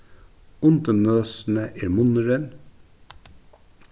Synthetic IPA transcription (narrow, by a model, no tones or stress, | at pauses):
ʊnt̪ənøːsn̩əʔeːɾmʊnəɾən